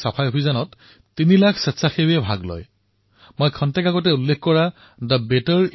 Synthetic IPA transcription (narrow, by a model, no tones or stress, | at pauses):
sapʰajopʰizanɔtː | inilakʰsɛtsaxebɛbʱa̰ɡlɔ̰j | mojkʰɔntɛkaɡɔt̬ɛulːekʰkɔɹa | dəbetɔɹ